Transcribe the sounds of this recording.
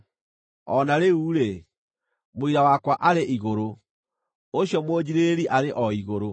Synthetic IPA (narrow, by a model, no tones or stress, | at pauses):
ɔnaɾeuɾe | moiɾawakwaʔaɾeʔiɣoɾo | oɕjɔmoːd͡ʑiɾeɾiʔaɾeʔɔiɣoɾo